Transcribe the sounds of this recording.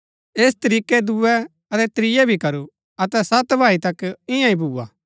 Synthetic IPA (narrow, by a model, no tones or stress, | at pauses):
eːs̬t̪ɐɾiːkɛd̪uɛ | ɐt̪ɛt̪ɾɪjɛbʱikɐɾu | ɐt̪ɛsɐt̪bʱaːit̪ɐkɪ̃jãĩbʱuːa̰ː